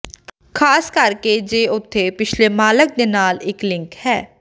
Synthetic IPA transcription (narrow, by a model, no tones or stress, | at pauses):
kʰaːskəɾkeːd͡ʒeːʊt̪ʰːeːpɪt͡ʃʰleːmaːlək̚d̪eːnaːlɪklɪ̃ŋkhɛː